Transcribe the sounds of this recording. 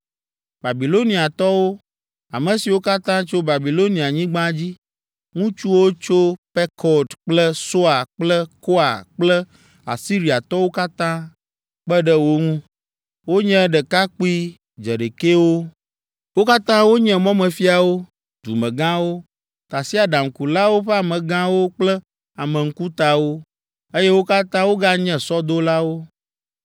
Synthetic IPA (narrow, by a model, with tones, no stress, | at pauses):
ba˨bi˨lo˦nĩ˨a˨t̪ɔ˦wo˦ | a̰˨mɛ̃˨si˨wo˦ka˦t̪ã˦t͡ʃo˦ba˨bi˨lo˦nĩ˨a˨ɲĩ˦ɡ͡bã˦d͡ʑi˦ | ŋũ˦t͡ʃu˦wo˦t͡ʃo˦pɛ˦kʰɔ˨d̪k͡plɛ˦so˦a˨k͡plɛ˦ko˦a˨k͡plɛ˦ | a̰˨si˦ɾi˨a˨t̪ɔ˦wo˦ka˦t̪ã˦ | k͡pɛ˦ɖɛ˦wo˦ŋũ˦ | wo˦ɲɛ̃˦ɖɛ˨ka˦k͡pi˦ | d͡ʒɛ̰˨ɖe˨ke˦wo˦ | wo˦ka˦t̪ã˦wo˦ɲɛ̃˦mɔ̃˦mɛ̃˨fi˦a˨wo˦ | d̪̥ṵ˨mɛ̃˨ɡã˦wo˦ | t̪a˨si˦a˨ɖa˨ŋ̩˨ku˨la˦wo˦ɸɛ˦a˨mɛ̃˨ɡã˦wo˦k͡plə˦ | a˨mɛ̃˨ŋ̩˦ku˦t̪a˨wo˦ | e˦je˦wo˦ka˦t̪ã˦wo˦ɡa˦ɲɛ̃˦sɔ˦d̪o˦la˦wo˦